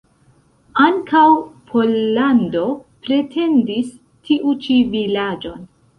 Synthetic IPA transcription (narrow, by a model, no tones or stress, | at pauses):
aŋkʰawpʰo̞lːando̞pɾe̞tʰe̞ndis | tʰiʔut͡ʃivilad͡ʒo̞n